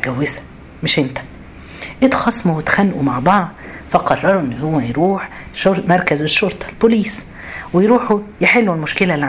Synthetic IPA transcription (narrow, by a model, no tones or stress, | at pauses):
ɡæwːɪsæ̥ | mɪʃʔent̪æ̥ | ʔet̪xɑsˤmuwet̪xænːʔumaʕbɑʕd̪ˤfæqɑrˤːɑɾˤuʔenːhowːæjɾuːħ | ʃoɾmɑɾˤkæzeʃːoɾˤt̪ˤɑ̥lboliːs | wejɾuːħujeħelːulmʊʃkelælːiʕ